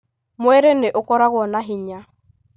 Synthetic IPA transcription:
mʊɛɾeneʔokɔɾaɣwɔnaɦiɲa

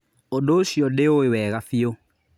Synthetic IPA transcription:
odoʃjɔdeoewɛɣafio

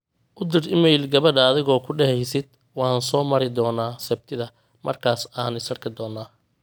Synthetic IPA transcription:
ʔʊd̪ɪrɪmɛjlɡɐβɐɖːðɪɣɔːkʰʊɖɛhɛjsɪd̪̥̚ | wɑːnsɔːmɐɾɪd̪ɔːnaːsɛb̚t̪ʰɪðɐ | mɐ̰rkʰaːsaːnɪsɐrkʰɪd̪ɔːnːaː

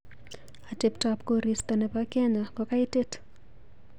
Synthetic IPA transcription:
atɪptapkoɾist̪ɔnɛpakɛɲakɔkaitet

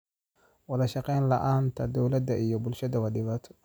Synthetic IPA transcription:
wɐlɐʃɑqɛjnlɐʔaːnt̪ʰɐd̪ɔwlɐd̪ɐʔijɔbʊlʃɐðɐwɐɗɪβaːt̪ʰɔ̥

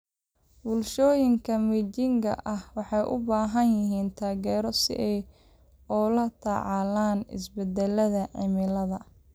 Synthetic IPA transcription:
bʊlʃɔːjɪŋkʰɐmit͡ʃɪŋkʰɐ̰ʔɐhwɑħɑjʔʊ̰baːɦɐnjɪɦiːnt̪ʰaːɣɛːɾɔsɪ̰ʔɛj | ɔlɐt̪ʰɐ̰ʕɑlaːnɪ̰sbɛd̪ɛlɐðɐʕɪmɪlɐðɐ

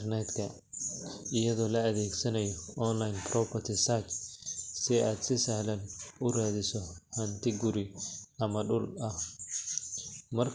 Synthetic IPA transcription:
nɛt̪kʰɐ | ɪjɐðɔːlɐɐðɛːɡsɐnɐjɔɔnlajnpɾɔpʰɐrt̪ʰɪsat͡ʃsɪaːd̪sɪsɐhlɐnʊraːðɪsɔhɐnt̪ʰɪɡʊɾɪʔɐmɐɖʊlɐh | mɐrkʰ

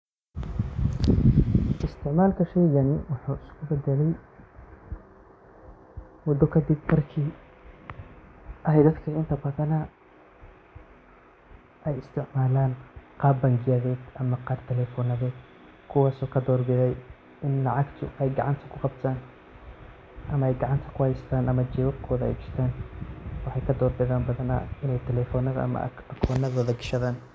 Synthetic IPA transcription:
ʔɪst̪ʰɪʕmaːlkʰɐʃɛjɣɐnɪwʊħuːɪskʰʊbɛd̪ɛlɛj | wɑd̪ɔkʰɐd̪ɪbmɐrkʰiː | ʔɐɦɛjd̪ɐd̪kʰɐɪnt̪ʰɐbɐðɐnɐ | ʔɛjɪst̪ʰɪʕmaːlaːnqɑːbɐŋɡɪjɐðɛːd̪ʔɐmɐqɑːrt̪ʰɛlɛːfɔːnɐðɛːd̪ | kʰʊwaːsɔːkʰɐd̪ɔːrbɛðɛj | ɪnlɑʕɑɡt̪ʰʊ̰ʔɛjɡɑʕɑnt̪ʰɐ̥kʰʊqɑbt̪ʰaːn | ʔɐmɐɛjɡɑʕɑnt̪ʰɐ̥kʰʊhɛjst̪ʰaːnʔɐmɐt͡ʃɛwɐbkʰɔːðɐɛ̰jɡɪʃt̪ʰaːnwɑħɑjkʰɐd̪ɔːrbɛðaːmbɐðɐnɐ̰ɪnɛjt̪ʰɛlɛːfɔːnɐðɐ̰ʔɐ̰mɐ̰ | ɐkʰɔːnɐðɔːðɐɡɪʃɐðaːn

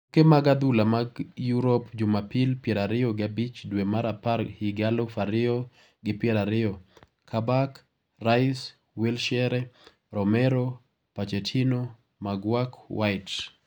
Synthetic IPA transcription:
kemaɡad̪ulamaɡjuɾopd͡ʒʊmapilpjɛɾaɾɪoɡɪabit͡ʃdwemaɾapaɾhiɡalɔfaɾɪɔ | ɡɪpjɛɾaɾɪɔ | kʰabak | raɪs | wɛlʃɛɾɛ | ɾɔmɛɾo | pat͡ʃɛtʰino | maɡwakwaɪt

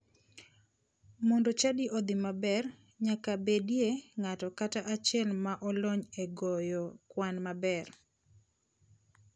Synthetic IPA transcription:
mɔndɔt͡ʃadiʔɔd̪imabɛr | ɲakabedjeŋatɔkataʔat͡ʃɪɛlmaʔɔlɔɲeɡɔjɔkwanmabɛr

